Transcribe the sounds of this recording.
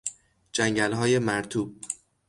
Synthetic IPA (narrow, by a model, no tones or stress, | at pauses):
d͡ʒæŋɟælɦɒːje̞mæɾt̪ʰuːb̥̚